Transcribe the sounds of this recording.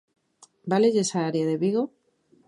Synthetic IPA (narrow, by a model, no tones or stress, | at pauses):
baleʝesaaɾjaðeβiɣo